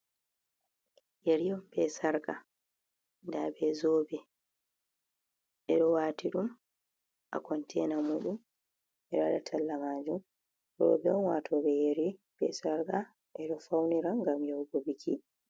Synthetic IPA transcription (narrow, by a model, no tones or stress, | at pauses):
jeɾijɔmbɛsaɾɡa | ndabɛzɔbɛ | ʔɛɗɔwaːtiɗum | ʔa̰kɔntʰɛnamuɗum | ʔɛɗɔaɗatʰalːamaːd͡ʒum | jɔ̰bɛɔnwatʰɔɓɛjeɾibɛ̰saɾka | ʔɛɗɔfawniɾaŋɡamjɔwɡɔbikʰi